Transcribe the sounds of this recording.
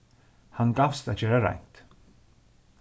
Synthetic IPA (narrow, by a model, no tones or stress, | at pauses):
hanɡafst̪aðd͡ʒøːɾaɾa̰jŋ̥t̪